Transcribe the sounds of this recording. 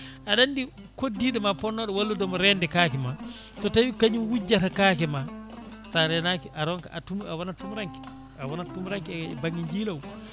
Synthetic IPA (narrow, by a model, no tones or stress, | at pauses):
ʔaɗandi | kodːiɗɛmapɔnːɔɗɔwalːudɔmɔɾɛndɛkaːkɛmasɔtawikaɲinwud͡ʒːatakakɛmasaɾɛnakiʔaɾɔŋkaʔatumawanatumɾaŋkɛ̥ | awanatumɾaŋkibaŋɡiɲd͡ʒilaw